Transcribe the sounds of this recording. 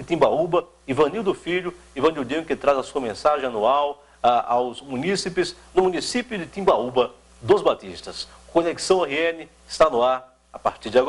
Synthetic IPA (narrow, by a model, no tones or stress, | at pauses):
ɪt̪ĩbaubɐ | ivɐ̃niwd̪ʊfiʎʊ | ivɐ̃niwd̪ĩʊkɪt̪ɾazɐsuɐmẽsaʒẽɐnuaw | aawzmũnisipɪznʊmũnisipjʊd͡ʒɪt̪ĩbaubɐ | d̪ʊzbat̪ḭst̪ɐs | koleki̥sɐ̃w̃ɛheẽnɪ | ɪst̪anʊaɾ | apa̰ɾt͡ʃiɾd͡ʒɪaɡ